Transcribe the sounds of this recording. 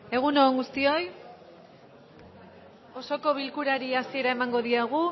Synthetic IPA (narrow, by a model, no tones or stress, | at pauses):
e̞ɣ̞unoːŋɡust̪io̞j | o̞so̞ko̞β̞ilkuɾaɾiasie̞ɾae̞maŋɡo̞ðiaɣ̞u